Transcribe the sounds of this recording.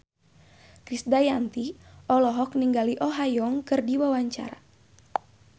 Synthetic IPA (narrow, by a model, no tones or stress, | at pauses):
kɾisdajant̪iʔɔlɔɦɔk̚niŋɡaliʔɔɦajɔŋkɨrdiwawaɲt͡ʃa̰ɾa